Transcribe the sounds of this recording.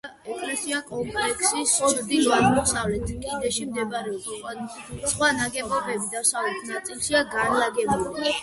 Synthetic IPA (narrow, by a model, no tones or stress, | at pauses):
ɛkʰɾɛsiakʼɔŋkʼlɛkʰsisɔbɾd̪ilaɾmɔsavlɛt̪ʰkʼid̪ɛʃimd̪ɛbaɾɛɔb | sχwanaɡɛbɔbɛbid̪asavlɛt̪ʰnat̪sʼilˠʃiaɡanlaɡɛbuli